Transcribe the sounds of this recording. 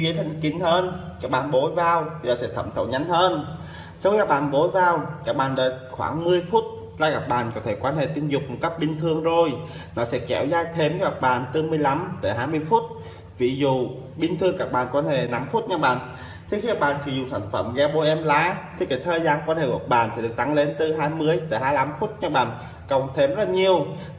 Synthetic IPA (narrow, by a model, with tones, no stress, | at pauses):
ɣi˨˦t̪ʰa˧jŋ̟ki˧˩n̟həː˧nkaː˨˥k̚ɓaː˨nɓo˧˦jvaː˧wt̪ʰi˨˩ɗɔ˨˩sɛ̰˧˥t̪ʰə̰˧˩mt̪ʰə̰˧˨˩wɲa˨˦jŋ̟həː˧n | sa˧waː˦˥k̚ɓa̰ː˧˨nɓo˨˦jvaː˧wkaː˨˦˥k̚ɓaː˧˨nɗəː˨˩xwaː˧˩ŋmɨ˧əjfu˦˥t̚ | zaː˧ɣa˨˩p̚ɓa̰ː˧˨nkɔ˨˦t̪ʰe˧˩kwaː˧˦nhḛ˧˨t̪i˧ənmzʊ˨˩k͡p̚mo˨˩t̚ka˦˥p̚ɓï˧ŋ̟t̪ʰɨ˧əŋzo˨˩j | nɔ˨˦sɛ̰˧˥kɛ˧˩wzaː˧jt̪ʰe˧mka˨˦ɣa˨˩k̚ɓaː˧˨nt̪ɨ˧mɨ˧əjla˨˧˦mt̪əː˧˩ɦaː˧jmɨ˧əjfu˦˥t̚ | vḭ˧˩zṵ˧˨ | ɓï˧ŋ̟t̪ʰɨ˧əŋkaː˧˩k̚ɓa̰ː˧˨˩nkwaː˨˦nhḛ˧˨na˨˦mfu˦˥t̚ɲa˧˥ɓa̰ː˧˨n | t̪ʰi˨˩xi˧kaː˨˧˩k̚ɓaː˨nsɨ˧˩zʊ̰˨ŋ͡msʰaː˧˩ŋ̟fə˧˩mɣaː˧ɓo˧˦ʔɛ˧mlaː˨˦t̪ʰi˨˩kaː˨˦jt̪ʰəː˨jzaː˧nkwaː˧nhe˧˨ku˧˩ə˩ɓa̰ː˧˨nsɛ̰˧˥ɗɨ˨˩k̚t̪a˨˦ŋle˨˦nt̪ɨ˨˧˩ɦaː˧jmɨ˧əjt̪əː˧˩ɦaː˧jla˧˦mfu˦˥t̚ɲa˧˥ɓa̰ː˧˨n | kə˨˩wŋ͡mt̪ʰe˧mzə˦˥ɲi˧əw